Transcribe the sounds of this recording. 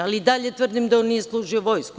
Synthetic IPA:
aliːd̪aʎe̞t̪ʋr̩d̪imd̪aonnije̞slˠuːʒioʋo̞jsku

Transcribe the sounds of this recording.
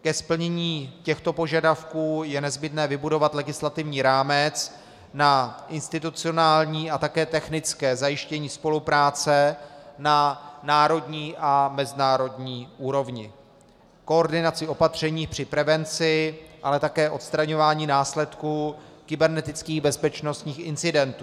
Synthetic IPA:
kɛspl̩ɲɛɲiːcɛxt̪o̞po̞ʒadafkuːjɛnɛzbɪt̪nɛːvɪbudo̞vat̪lɛɡɪslat̪ɪvɲiːɾaːmɛt͡s | naʔɪnst̪ɪt̪ut͡sɪo̞naːlɲiːʔat̪akɛːt̪ɛxnɪt͡skɛːzajɪʃcɛɲiːspo̞lupɾaːt͡sɛnanaːɾo̞dɲiːʔamɛzɪnaːɾo̞dɲiːʔuːɾo̞vɲɪ | ko̞oɾdɪnat͡sɪo̞pat̪r̝̥ɛɲiːxpr̝̥ɪpɾɛvɛnt͡sɪʔalɛt̪akɛːʔo̞t̪st̪ɾaɲo̞vaːɲiːnaːslɛt̪kukɪbɛɾnɛt̪ɪt͡skiːɣbɛspɛt͡ʃno̞st̪ɲiːxɪnt͡sɪdɛnt̪u

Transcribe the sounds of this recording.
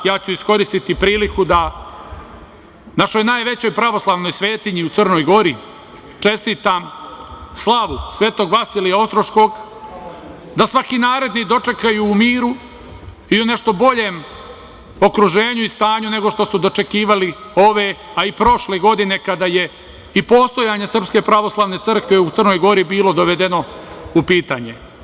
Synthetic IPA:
jaːt͡ɕuisko̞ɾist̪it̪ipɾiːlikud̪a | naʃo̞jnaːjʋe̞t͡ɕo̞jpɾaʋo̞slˠaʋno̞jsʋe̞ːt̪iɲiut̪sr̩no̞jɡo̞ɾi | t͡ʂe̞st̪iːt̪am | slˠaʋusʋe̞ːt̪o̞ɡʋasilijao̞st̪ɾoʃko̞ɡ | d̪asʋakinaːɾe̞d̪nid̪o̞t͡ʂe̞kajuːmiːɾu | iune̞ʃt̪o̞bo̞ʎeːm | o̞kɾuʒeːɲuist̪aːɲune̞ɡo̞ʃt̪o̞sud̪o̞t͡ʃe̞kiːʋalio̞ʋe̞aipɾo̞ʃleɡo̞d̪ine̞kad̪aje̞ | ipo̞st̪o̞jaɲe̞sr̩pske̞pɾaʋo̞slˠaːʋne̞t̪ɨr̩kʋe̞ut̪ərno̞jɡo̞ɾibiːlo̞d̪o̞ʋe̞d̪e̞no̞upiːt̪aːɲe̞

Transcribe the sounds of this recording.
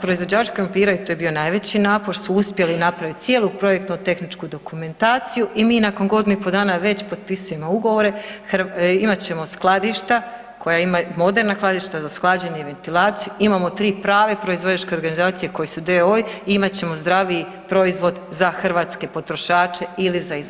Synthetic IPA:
pɾo̞izʋo̞d͡ʑaːt͡ʃkɾompiːɾaut̪oːje̞bio̞najʋe̞t͡ɕinaːpo̞ɾsuuspje̞linapɾaʋit̪sʲje̞ːlupɾo̞jek̚t̪not̪e̞xnit͡ʃkud̪o̞kume̞nt̪aːt̪sijuʔimiːnako̞nɡo̞d̪inuipo̞d̪aːnaʋe̞t͡ɕpo̞d̪pisuje̞mouɡo̞ʋo̞ɾe̞xɾimat͡ɕe̞mo̞sklˠad̪iʃt̪a | ko̞jaimamo̞d̪e̞ɾnaklˠad̪iʃt̪azasklˠaːd͡ʑeɲeiʋe̞nt̪ilˠaːt̪sijuimamo̞t̪ɾiːpɾaːʋe̞pɾo̞izʋo̞d͡ʑat͡ʃke̞o̞ɾɡanizaːt̪sije̞ko̞jesud̪eojiimat͡ɕe̞mo̞zd̪ɾaʋii | pɾo̞izʋo̞d̪zaxrʋaːt̪ske̞po̞t̪ɾo̞ʃaːt͡ʃe̞ilizaiz

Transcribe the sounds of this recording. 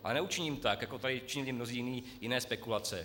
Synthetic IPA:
ʔalɛnɛut͡ʃɪɲiːmt̪akjakot̪adɪt͡ʃɪɲɪlɪmnoziːjɪniː | jɪnɛːspɛkulat͡sɛ

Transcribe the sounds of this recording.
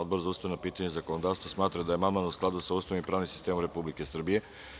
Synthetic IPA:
od̪boɾzaust̪ajnapiːt̪aɲezako̞nod̪aːfst̪ʋasmaːt̪ɾad̪aje̞mamanusklˠad̪usaust̪animpɾaːʋnimsi̥st̪emomɾe̞publikesr̩bije

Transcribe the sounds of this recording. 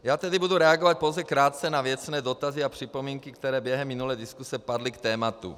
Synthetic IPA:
jaːt̪ɛd̪ibud̪uɾɛaɡɔvac̪̚powzɛkɾaːt̪̚t͡sɛnavɪɛt̪t͡snɛːd̪ɔt̪aziapr̝̥ipomiːŋkikt̪ɛɾɛːbjɛɦɛmːinulɛjd̪iskusɛpad̪likt̪ɛːmat̪ṵ

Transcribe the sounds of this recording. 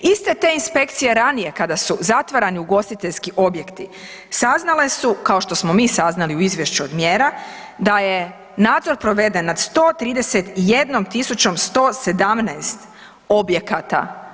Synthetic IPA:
ist̪e̞t̪e̞inspe̞kt̪sije̞ɾanije̞kad̪asuzat̪ʋaɾaniuɡo̞st̪it̪e̞ʎskiʔo̞bje̞kt̪i | saznale̞sukao̞ʃt̪o̞smo̞miːsaznaliuizʋje̞ʃt͡ɕuod̪mje̞ːɾa | d̪aje̞ | naːd̪zo̞ɾpɾo̞ʋe̞d̪e̞nːad̪st̪o̞ːt̪ɾiːd̪e̞set̪ije̞d̪no̞mt̪isut͡ɕo̞mst̪o̞ːse̞d̪amnɛjst̪ | o̞bje̞kat̪a̰

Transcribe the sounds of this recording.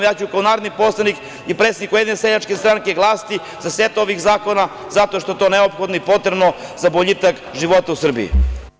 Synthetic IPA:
jat͡ɕujukaonaːɾod̪niposlˠanik | ipɾet̪sed̪ikujed̪ineseʎat͡ʃkest̪ɾaŋke̞ɡlˠaːst̪i | zaset̪o̞ʋixzaːko̞na | zat̪o̞ʃt̪o̞e̞t̪o̞neopxod̪noipo̞t̪ɾebno̞zaboʎit̪ak | ʒiʋo̞t̪ausr̩bḭḭ

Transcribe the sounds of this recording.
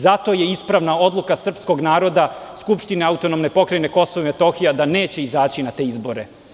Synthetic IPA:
zat̪o̞je̞ispɾaʋnao̞d̪lˠukasr̩psko̞ɡnaːɾo̞d̪askupʃt̪ineaut̪o̞nomne̞po̞kɾajne̞ko̞soʋoimet̪o̞xijad̪ane̞ːt͡ɕe̞izaːt͡ɕinat̪e̞ːizbo̞ɾe̞

